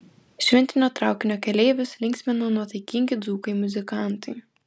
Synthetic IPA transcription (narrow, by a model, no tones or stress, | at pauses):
ʃʲʋʲɛnʲt̪ʲɪnʲoːt̪ɾɑˑʊkʲɪnʲoːkʲɛlʲeːʋʲʊslʲɪŋksʲmʲɛnoːnuɔt̪ɐɪkʲɪŋʲɡʲɪd̪zuːkɐɪmʊzʲɪkɑˑnt̪ɐɪ